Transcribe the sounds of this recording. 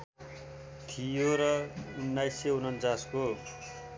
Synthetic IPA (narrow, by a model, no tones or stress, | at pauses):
t̪ʰijoɾʌunːajseunʌnt͡sasko